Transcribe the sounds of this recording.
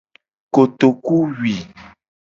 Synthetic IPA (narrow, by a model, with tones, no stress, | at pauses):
ko˨t̪o˨ku˦wi˨